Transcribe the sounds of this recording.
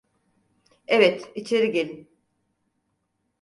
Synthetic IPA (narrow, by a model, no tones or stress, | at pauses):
evɛt̪it͡ʃʰeɾiɟelʲin